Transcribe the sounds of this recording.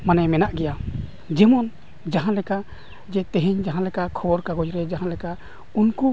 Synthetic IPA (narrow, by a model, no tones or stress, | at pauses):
manɛmɛnaʔɡɛja | d͡ʒɛmɔn | d͡ʒaɦãlɛka | d͡ʒɛt̪ɛɦiɲd͡ʒaɦãlɛkakʰɔɔɾkaɡɔd͡ʒɾɛd͡ʒaɦãlɛka | unku